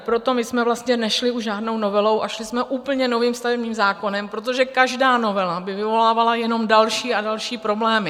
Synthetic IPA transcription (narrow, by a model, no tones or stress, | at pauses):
pɾo̞t̪o̞mɪsmɛvlast̪ɲɛnɛʃlɪʔuʒʒaːdno̞wno̞vɛlo̞wʔaʃlɪsmɛʔuːpl̩ɲɛno̞viːmst̪avɛbɲiːmzaːko̞nɛmpɾot̪oʒɛkaʒdaːno̞vɛlabɪvɪvo̞laːvalajɛno̞mdalʃiːadalʃiːpɾo̞blɛːmɪ